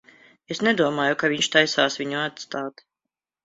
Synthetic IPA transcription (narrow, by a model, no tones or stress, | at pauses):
esnɛd̪uɔmaːjukaviɲʃt̪ajsaːsvʲiɲuat̪st̪aːt̪